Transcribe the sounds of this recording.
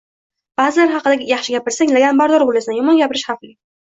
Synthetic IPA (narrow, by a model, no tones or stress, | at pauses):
b̥azɪlaɾχɑqɨd̪aɡʲɪjɑχʃɪɡʲapɪɾsaŋʲlaɡʲambaɾd̪ɒɾbolasɪjɒmɒnɡʲapɪɾɪʃhɑflɪ